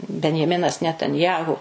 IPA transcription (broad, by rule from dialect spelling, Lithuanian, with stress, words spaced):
bʲɛnʲjɛˈmʲɪnɐs nʲɛtɐnʲˈjæːɣʊ